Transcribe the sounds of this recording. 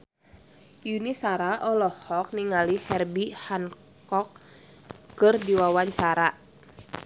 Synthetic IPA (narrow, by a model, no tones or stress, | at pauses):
junisaɾaʔɔlɔhhɔk̚niŋalihɛrbihan | kɔk̚ | kɨrdiwawaɲt͡ʃaɾa